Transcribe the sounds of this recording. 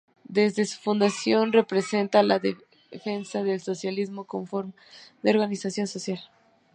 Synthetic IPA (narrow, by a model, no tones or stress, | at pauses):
d̪e̞zðe̞su̥fund̪asjo̞nre̞pɾe̞se̞nt̪alaðe | fe̞nsaðe̞lso̞sjalizmo̞ko̞ɱfoɾm | d̪eoɾɣanisasjo̞nso̞sjal